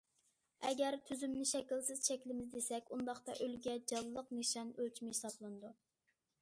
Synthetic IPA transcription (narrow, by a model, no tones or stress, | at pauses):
ɛɡʲɛɾt̪ʰyzymnɪʃɛkʲilsɪz̥ʃɛkʲlɪmɪzd̪esɛkʲund̪ɑχt̪ɑ̰ʔølɡʲɛd͡ʒɑlˠːəqneʃɑnølt͡ʃʰimɪhisɑblˠɨnɨd̪u